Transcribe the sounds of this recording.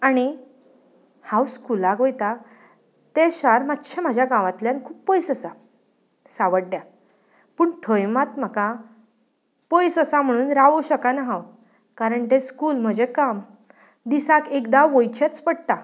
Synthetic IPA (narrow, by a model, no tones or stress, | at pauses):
aɽ̃i | hãwskulaɡojt̪a | t̪eɕaɾmat̪ːɕʰam̤ad͡ʑʱjaɡãʋãt̪ljãnkʰuːpːɔjsəsa | saʋəɽɖja | pəːɳʈʰɔjmat̪m̤əka | pɔjsəsam̤əɽ̃uːnɾaʋoɕəkanaɦaw | kaɾəɳʈ̪ẽskuːlm̤əd͡ʑekam | d̪isakekd̪aʋojt͡ɕet͡spəɽt̪a